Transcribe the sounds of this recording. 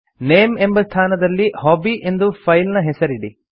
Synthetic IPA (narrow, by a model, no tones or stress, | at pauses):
neːme̞mbɐst̪ʰaːnɐd̪ɐlːihɔːbiʔe̞nd̪upʰɐjlnɐɦesɐɾiɽi